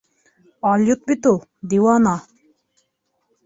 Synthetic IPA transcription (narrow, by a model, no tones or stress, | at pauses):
ɑljut̪̚bit̪ud̪iwana